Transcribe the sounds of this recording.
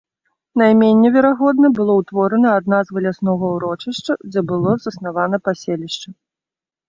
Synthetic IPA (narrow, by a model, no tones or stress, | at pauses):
najmʲenʲːɛvʲɛɾaɣɔd̪nɐbɨlˠɔwt̪vɔɾɐnɐːd̪̚nazvɨlʲasnɔɣɐwɾɔt͡ʂɨʂt͡ʂɐd͡zʲɛbɨlˠɔzɐsnavan̪ɐpasʲelʲiʂt͡ʂɐ